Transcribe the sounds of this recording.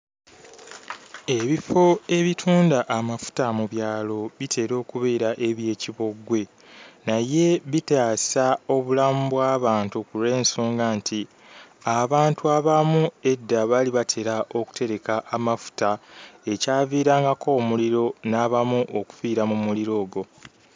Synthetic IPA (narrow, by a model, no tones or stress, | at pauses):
e̞βifo̞e̞βitʰuːndaʔːmafu̥tamuβjaːlo̞βitʰe̞ɾo̞ːkuβe̞ːɾaʔeβje̞ːciβo̞ɡwe̞ | naje̞βitaːsao̞βulamubwaːβaːntukuɾe̞ːnsoːŋɡaːntʰi | aβaːntuaβamue̞dːaβaliβatʰe̞ɾaʔo̞ku̥te̞ɾe̞kaʔːmafu̥tae̞caːviːɾaːŋɡakʰo̞ːmuliɾo̞naːβamuʔoku̥fiːɾamumuliɾo̞ːɡo̞